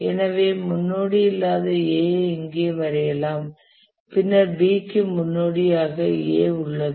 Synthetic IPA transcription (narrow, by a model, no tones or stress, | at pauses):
ɛnɐʋeːmʊnːoːɽijɪlːaːðɯeːɪŋɡeːʋɐɾɐjɐlaːm | pɪnːɐɾbiːkːɯmʊnːoːɽɪjaːɣɐḛːʊɭːɐðɯ